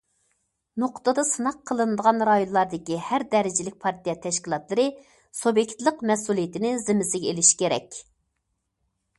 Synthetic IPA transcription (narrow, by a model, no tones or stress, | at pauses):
noqʰt̪ɨd̪ɑsɨnɑqʰːəlˠɨnɨd̪əʁɑnɾɑjonlˠɑɾd̪ɨkʲihæɾd̪ɛɾɪd͡ʒɪlɪk̚ʲpʰɑɾt̪ijɛt̪ʰɛʃkʲilˠɑt̪lˠɨɾɨ | sobjekʲt̪lˠəqmɛsulˠijɪt̪ɪnɪzɪmɪsɪɡʲɛelɪʃkʲeɾɛ̰kʲ